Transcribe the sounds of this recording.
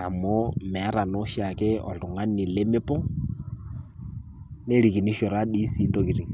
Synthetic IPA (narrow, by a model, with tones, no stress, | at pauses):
a˨mɔ˦mɛ˨a˦ɾa˨nɔ˦ʃa˨kɛ˦ɔ̰˨tu˨ŋa˦ni˨le˦mɪ˦pɔ˦ | nɛ˦ɾi˨ki˨ni˦ʃɔ˨ɾa˦ɗi˦si˦ndɔ˦ki˨ɾi˨